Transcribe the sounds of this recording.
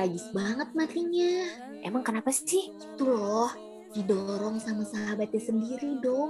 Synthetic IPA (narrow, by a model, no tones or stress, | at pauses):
ad͡ʒɪsbaŋət̪̚mat̪iɲa | ʔḛmaŋkənapasɪhi̥t̪ulɔh | didɔɾɔŋsamasəɦabat̪̚ɲasəndiɾidɔŋ